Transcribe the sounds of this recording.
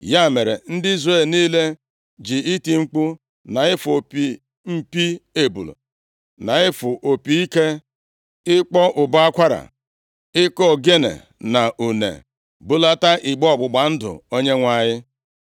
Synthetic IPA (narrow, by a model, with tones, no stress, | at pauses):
ja˦˨me˨ɾḛ˨n̩˦dɪ˦i˦zre˦˨lniː˦le˦ | d͡ʒi˨i˦ti˨ŋ͡m̩˦k͡pu˦ | na˨ɪ˦fo˨pi˨ | m̩˦pi˦e˦bṵ˨lṵ˨ | na˨ɪ˦fʊ˨ʔo˨pi˨˦i˦ke˦ | ɪ˦k͡pɔ˦ʔʊ˨ba˦a˦kʷa˦ɾa̰˨ | ɪ˦kɔ˦˨ɡe˦nḛ˨ | na˨ʔu˨nḛ˨ | bu˦la˦ta˦ʔɪ˨ɡ͡bɔ˦ɔ˦˨ɡ͡bʊ˨ɡ͡ba˨n̩˦dʊ̰˨o˦ɲe˦ŋʷa˨ɲɪ˦